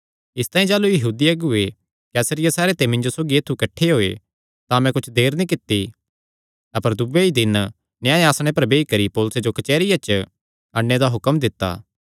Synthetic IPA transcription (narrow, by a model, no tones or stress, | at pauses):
ɪst̪ãːĩd͡ʒaːlujɐɦuːd̪iɐɡʊe | kɛːsəɾɪjasɛːɾet̪emɪ̃nd͡ʒosoːɡieːt̪ʰːukɐʈʰːeɦoːe | t̪amɛ̃kʊt͡ʃʰd̪eːɾnĩk̬ɪt̪ːi | ɐpəɾd̪ʊbeid̪ɪn | nɪjãːẽaːsɽ̃epɐɾbeːikɐɾipɔːlʊsed͡ʒokɐt͡ʃɛːɾɪjat͡ʃə | ɐɽːed̪aɦʊkəmd̪ɪt̪ːa̰ː